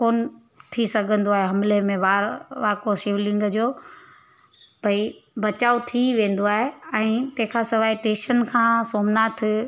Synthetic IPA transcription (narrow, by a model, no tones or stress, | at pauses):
koːn | t̪ʰisɐɡʱə̃nd̪oaːɦeɦɐmlemẽʋaːɾʋaːkosiːʋlɪ̃ŋɡd͡ʑoː | bʱɐibɐt͡ɕaːot̪ʰiʋẽːn̆d̪oaːɦeɛ̃ːt̪ɐ̃ɦɪ̃kʰãsɪʋaːiʈẽːʃənkʰãːsoːmnaːt̪ʰɪ